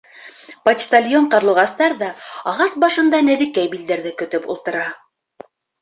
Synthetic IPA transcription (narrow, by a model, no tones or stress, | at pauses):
pɐtʲt̪ɐlʲjoɴqɑɾlˠuʁɑst̪ɑɾðɑɑʁɑsbɑʃɤ̆nd̪ɑnæðɘ̆kːæjbild̪æɾðɘkɵ̆t̪ɵpṵlˠt̪ɤ̆ɾɑ